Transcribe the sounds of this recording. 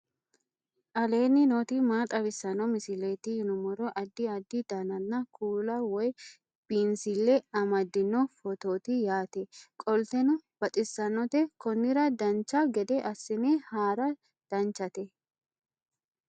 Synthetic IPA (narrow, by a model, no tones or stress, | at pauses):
ʔɐle̞ːnːɪnoːt̪imaːt̪ʼɐbɪsːɐnːɔmɪsɪleːt̪ɪhɪnʊmɔɾɔʔɐd̪ːɪɐd̪ːɪd̪ɐnɐnːɐkʰuːlɐwɔj | b̥iːnsɪlːɛɐmɐd̪ːɪnːɔfɔt̪oːt̪ɪjaːt̪ɛkʼɔlt̪ɛnʊb̥ɐt̪ʼɪsːɐnːɔt̪ɛkɔnːɪɾɐd̪ɐnt͡ʃːɐɡɛd̪ɛʔɐsːɪnehaːɾɐ | d̪̥ɐnt͡ʃɐt̪ɛ